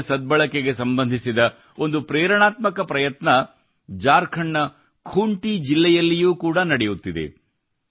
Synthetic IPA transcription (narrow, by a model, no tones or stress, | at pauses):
sɐd̪̚bɐɭɐkeɡe̞sɐmbɐnd̪ʱisid̪ɐ | o̞nd̪upɾɛːɾɐɳaːt̪mɐkɐpɾɐjɐt̪nɐ | d͡ʒaːɾkʰɐɳːɐ | kʰuːɳʈid͡ʒilːɛjɐlːijuːkuːɽɐnɐɽejut̪ːid̪ḛ